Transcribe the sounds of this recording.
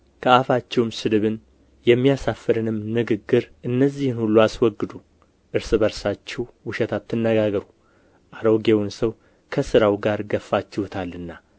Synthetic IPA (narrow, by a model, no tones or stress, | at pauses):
kʰəafat͡ʃːɛwmsɨlɨβɨn | jɛmːijasafːɨɾɨnɨmnɨɡɨɡːɨɾʔɨnːəzːihɨnhulːuaswɔɡːɨd̪u | ʔɨɾsɨbəɾsat͡ʃːɛwwʊʃɛt̪ʰat̪ʰːɨnːəɡaɡəɾu | ʔaɾoɡe̞wʊnsəw | kʰəsɨɾawɡaɾɡəfːat͡ʃːɛhɔt̪ʰalːɨnːa